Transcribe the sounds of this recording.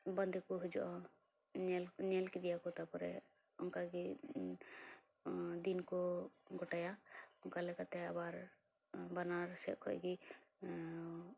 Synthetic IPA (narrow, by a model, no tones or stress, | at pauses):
bənd̪ʱɛkɔɦud͡ʒɔʔɔ | lnɛlkid̪ijakɔt̪apɔɾɛ̰ | ʊnkaɡi | d̪inkɔɡʱɔʈajaʊnkalɛkat̪ɛabaɾ | banaɾsɛkʰɔ̰ɡi